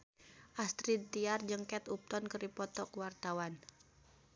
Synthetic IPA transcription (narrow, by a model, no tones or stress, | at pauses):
ʔast̪ɾid̪t̪iard͡ʒəŋkɛt̪up̚t̪ɔnkəɾipɔt̪ɔkuwart̪awan